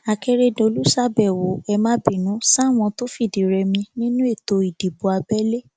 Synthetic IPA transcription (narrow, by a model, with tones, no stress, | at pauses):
a˨ke˧ɾe˧do˧lu˦sa˦bɛ˨wo˨ɛ˧mã˦bĩ˦˨nũ˨˦sa˦˨w̃ɔ̃˧to˦fi˦˨di˨ɾɛ˧mĩ˧nĩ˦nũ˦e˦˨to˧i˨di˨bo˨˦a˧bɛ˦le˦